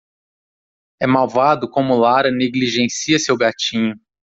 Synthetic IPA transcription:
ɛmawvad̪ʊkõmʊlaɾɐneɡliʒẽnsiɐsewɡat͡ʃĩɲʊ

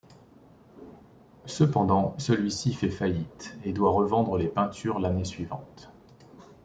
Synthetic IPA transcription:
səpɑ̃d̪ɑ̃səlɥisifɛfajit̪ed̪waʁəvɑ̃d̪ʁəlepɛ̃t̪ʰyʁlanesɥivɑ̃t̪

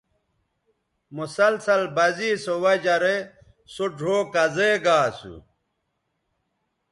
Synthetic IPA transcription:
musɐlsɐlbɐziːsowɐd͡ʑɐɾe | suɖʱoːkɐzeɡaːsṵ

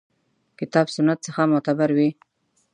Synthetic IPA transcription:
kɪt̪ɑbsʊnːat̪̚səxamʊt̪abaɾwi

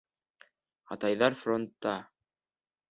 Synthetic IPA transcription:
ɑ̰t̪ɑjðɑɾfɾont̪ːɑ

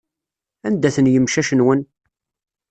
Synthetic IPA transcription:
ænd̪æθənjəmʃæʃənwən

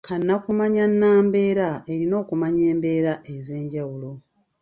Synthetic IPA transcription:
kʰanːakumaɲanːaːmbe̞ːɾae̞ɾino̞ːkumaɲe̞ːmbe̞ːɾaʔe̞ze̞ːɲɟawulo̞

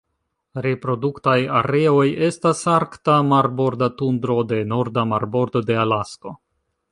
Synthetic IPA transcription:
ɾe̞pɾo̞duktajaɾe̞o̞je̞stasaɾktamaɾbo̞ɾdatundɾo̞de̞no̞ɾdamaɾbo̞ɾdo̞de̞alasko̞

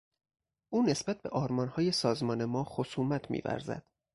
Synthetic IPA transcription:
ʔuːne̞sb̥æt̪̚be̞ʔɒːɾmɒːnhɒːje̞sɒːzmɒːne̞mɒːxosuːmæt̪ʰmḭːvæ̰ɾzæ̰d̪̥

